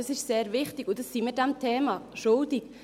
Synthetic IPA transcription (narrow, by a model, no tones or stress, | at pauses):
ɑsɪʃseːɾvɪχtɪɡʊnd̥ɑsːimɪɾd̥ɛmtʰeːmɑʃʊldɪk